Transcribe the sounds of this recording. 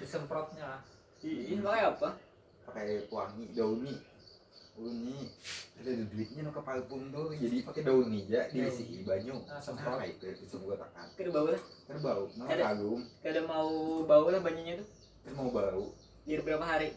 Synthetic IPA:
d̪usəmpɾɔt̪̚ɲalah | ipakajapa | pakajkuaŋidauni | uniadaduduit̪̚ɲanukəpalpʊŋt̪ʊd͡ʒadipakadaunid͡ʒaʔdiasiɦḭbaɲusəmpɾɔt̪ait̪ət̪usəŋɡuat̪a̰ka̰t̪kadubaulahkadubauʔmakadaɡʊŋkadamaubaulahbaɲuɲat̪ʊ | t̪əsmaubaɾu | diarbəɾamaɦaɾi

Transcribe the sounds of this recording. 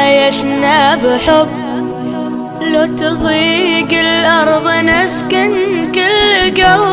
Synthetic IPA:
jaʃnabɪħʊb | lat̪ɨðˤiːɡɪlʔɑɾˤðˤnaskɪnkɪlɡaw

